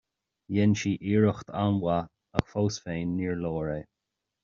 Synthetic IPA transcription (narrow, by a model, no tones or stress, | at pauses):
jɛnʃiːʔiːɹəxt̪ʰanwa | ə̰xfowsfeːnːiːɹlɔːɹeː